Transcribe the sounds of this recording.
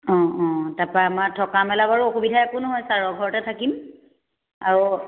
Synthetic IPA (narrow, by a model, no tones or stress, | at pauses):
ɔ̃ɔ̃tapɹaamatʰɔkamɛlabaɹuokubidʱaakunʊɦɔjsaɹɔɡʱɔɹɔtɛtʰakim | aɹu